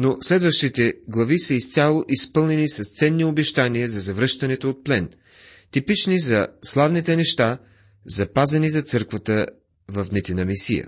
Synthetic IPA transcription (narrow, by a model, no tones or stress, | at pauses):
noslɛd̪vəʃt̪it̪ɛɡlˠɐvisəist̪sʲalˠoʔispɤlˠnɛnisɐst̪sɛnːiobɛʃt̪aniəzɐzɐvɾɤʃt̪ɐnɛt̪oːt̪̚plɛn | t̪ipit͡ʃnizɐslˠavnit̪ɛnɛʃt̪a | zɐpazɐnizɐt̪sɤɾkvət̪ə | vɐfnɛt̪inɐmisijə̰